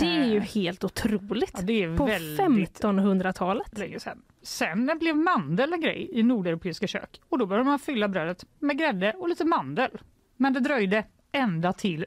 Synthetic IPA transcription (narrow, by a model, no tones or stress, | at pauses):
d̪̥ɛæɾjɵheːlt̪ʊt̪ʰɾuːlɪt̪ːd̪ɛæɾpʰɔvɛldfɛmɪt̪ɔnhɵnd̪ɾat̪ʰɑːlət̪lɛɡəsɛn | sɛnblɛvmand̪ələɡɾɛ̰jɪnuːɖɛɾʊpʰeːɪskaɕø̰ːkɔd̪ɔbœɾjd̪əmanfʏlːabɾøːɾət̪mɛɡɾɛd̪ːəʔɔliːt̪əmand̪əl | mɛnd̪ɛd̪ɾœjd̪ə | ɛnd̪at̪ʰɪl